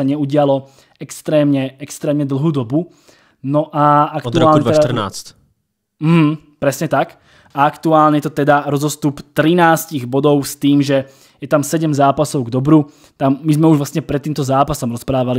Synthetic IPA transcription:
aɲɛuɟɪalɔ | ɛkst̪ɾɛːmɲɛɛkst̪ɾɛːmɲɛd̪l̩ˠɦuːd̪ɔbu | nɔʔaakd̪uɾaːlɲɛaɛana̰ːt͡st | m̩ɦm̩ | pɾɛsɲɛt̪ak | ʔaakt̪uaːlɲɛjɛt̪ɔt̪ɛd̪aɾɔzɔst̪upt̪ɾinaːsciɣbɔd̪ɔʊst̪iːmʒɛ | jɛt̪amsɛɟɛmzaːpasɔʊɡd̪ɔbɾu | t̪amːizmɛuʒʋlast̪ɲɛpɾɛt̪ːiːmt̪ɔzaːpasɔmɾɔspɾaːʋali

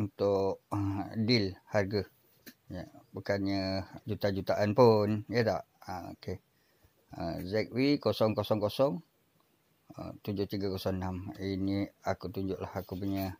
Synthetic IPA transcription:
unt̪ʊʔdɪlharɡə | jəbukanɲəd͡ʒut̪ad͡ʒut̪aʔanpʊnjət̪aʔəo̰ke | ə̰zɛk̚wikosɔŋkosɔŋkosɔŋ | ə̰t̪uɲd͡ʒʊht̪iɡakosɔŋnaminiakut̪uɲd͡ʒʊʔlahakup̬uɲə

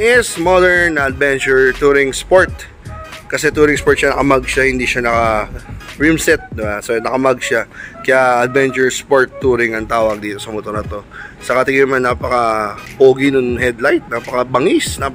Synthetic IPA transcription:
ŋɛsmod̪ɛɹnɐd̪̚vɛnt͡ʃʊɹt̪uɾɪŋspoɹt̪̚ | kɐsɛt̪uːɾɪŋspoɹt̪̚ʃanɐkɐmaɡ̚ʃahɪnd̪iʃanɐkɐ | ɹimsɛt̪̚d̪ɪbasonɐkɐmaɡʃakɐjaɐd̪̚vɛnt͡ʃʊɹspoɹt̪ːuːɾɪŋɐŋt̪aːwɐɡ̚d̪iːt̪osɐmot̪onɐt̪o̞sɐkɐt̪ɪɡɪnmanːaːpɐkɐpoːɡinʊŋɦɛd̪lajt̪̚naːpɐkɐbɐŋisna

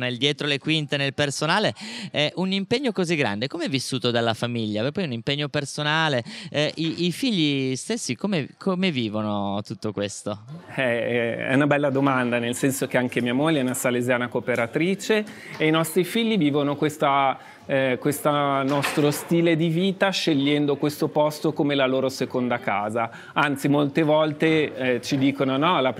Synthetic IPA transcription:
neld̪jɛːt̪ɾolekwint̪enelpersonaːleɛʔunimpeɲːokoziɡːɾa̰nd̪ekomeɛvːisːuːt̪od̪alːafamiʎːapepːɔjunimpeɲːopersonaːleɛiifiʎːist̪esːikomekʰomeviːvonot̪ut̪ːokwest̪oɛɛ̰unabɛlːad̪omand̪anelsɛnsok̟eaŋk̟emiamoʎːɛunasalezjaːnakopeɾat̪ɾiːt͡ʃeːinɔst̪ɾifiʎːiviːvonokwest̪a | kwest̪anɔst̪ɾost̪iːled̪iviːt̪aʃeʎːɛnd̪okwest̪opɔst̪okomelaloːɾosekond̪akaːza | ant̪simolt̪evɔlt̪et͡ʃid̪iːkononɔla

